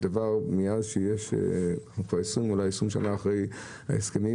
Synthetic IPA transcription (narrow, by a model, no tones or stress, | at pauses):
d̪̥avaʁmijadʃejeʃ | kvaesumulajesumʃa̰naːχʁej | a̰eskemi